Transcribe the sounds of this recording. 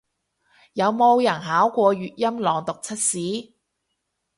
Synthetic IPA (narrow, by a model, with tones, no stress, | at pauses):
jɐ˨˧wmo˧wjɐ˨˩nɦaː˨˥wkʷɔː˧ɥyː˨t̚jɐ˥mlɔː˨˧ŋt̪ʊ˨k̚t͡sʰɐ˥t̚siː˨˥